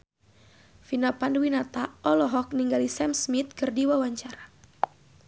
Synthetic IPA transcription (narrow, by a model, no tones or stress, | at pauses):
finapandwinat̪aʔɔlɔɦɔk̚niŋɡalisɛmsmit̪̚kɨrdiwawaɲt͡ʃaɾa